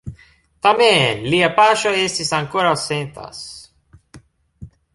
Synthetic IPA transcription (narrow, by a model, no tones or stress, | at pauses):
t̪amẽliapaʃaest̪isãŋkoɾasẽnt̪a̰s